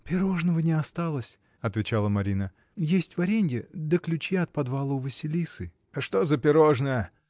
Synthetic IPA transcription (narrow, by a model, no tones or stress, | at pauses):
pʲɪɾo̞ʐnəvənʲɪɐst̪alˠəsʲ | ɐt̪vʲɪt͡ɕalˠəmɐɾʲinə | jesʲtʲvɐɾʲenʲɡʲɪd̪əklʲʉt͡ɕiɐt̪̚pɐd̪valˠəvəsʲɪlʲisɨ | ʂt̪o̞zəpʲɪɾo̞ʐnəjə